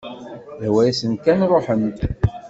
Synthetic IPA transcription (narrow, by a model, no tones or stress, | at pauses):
wæjæsənkænrˤoħən